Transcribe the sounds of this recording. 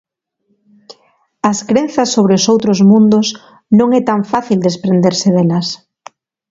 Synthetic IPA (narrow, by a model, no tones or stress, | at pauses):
ɐskɾenθɐsːoβ̞ɾeʊsowt̪ɾozmũnd̪ʊs | nõŋɛt̪aɱfaθild̪espɾend̪eɾseðɛlɐs